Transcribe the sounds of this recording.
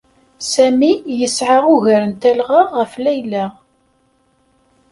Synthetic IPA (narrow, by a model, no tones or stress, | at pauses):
sæmijəsʕaʁʊʝæɾənt̪ælʁəʁːəflæjlæ